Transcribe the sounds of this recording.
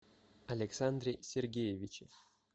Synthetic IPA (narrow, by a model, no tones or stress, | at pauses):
ɐlʲeksand̪ɾʲesʲerɡʲejevʲit͡ɕɪ